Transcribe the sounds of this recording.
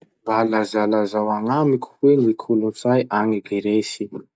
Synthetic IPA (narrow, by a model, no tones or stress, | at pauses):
balazalazawaŋamikʰu̥wenikʰulunt͡sajʔaŋiɡeɾesi